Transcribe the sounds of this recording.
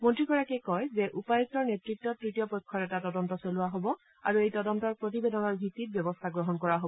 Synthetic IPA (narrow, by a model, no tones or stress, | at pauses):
mɔntɹikɔɹakɛkɔjzɛʔupaɔstɔɹnetɹikt̚tːɔtɹitijɔpɔjkʰːɔɹɛtatɔdɔntɔsoluwaɦobɔ | a̰ɹuejtɔdɔntɔɹpɹot̬ibedɔnɔɹbʱitːit̚bjɔbɔstʰaɡɹɔɦɔnkɔɹaɦobɔ